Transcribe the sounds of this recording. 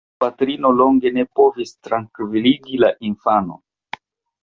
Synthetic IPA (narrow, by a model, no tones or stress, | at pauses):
patɾino̞lo̞ŋɡe̞ne̞po̞vistɾaŋkiviliɡilaʔinfano̞̰